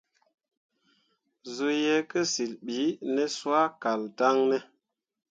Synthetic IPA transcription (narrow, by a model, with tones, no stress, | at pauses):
zo˦jɛ˦kə˦si˨lɓi˨˦nɛ˦swa˦ka˨lta˦ŋnɛ˦